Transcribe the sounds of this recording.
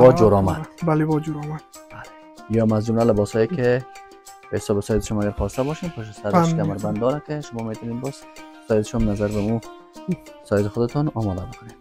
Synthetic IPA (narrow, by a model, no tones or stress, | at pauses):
bɔd͡ʒoɾɔma̰d̪balebɔd͡ʒuɾɔmad̪bale | jɔmazd͡ʒʊmlalɪbɔshɔjekɪ | b̥ehɪsɔbɪsɔjɪd̪ɪʃɔnaɡaɾxɔst̪abɔʃempʰʊʃ̬ɪsaɾk̪amaɾband̪d̪ɔɾakɪʃʊmɔmet̪ɔnenbɔz | sɔjɪd̪ɪʃɔnnazaɾbamu | sɔjɪt̪ɪxʊd̪ɪt̪ɔnɔmɔd̪abɪkʰʊnen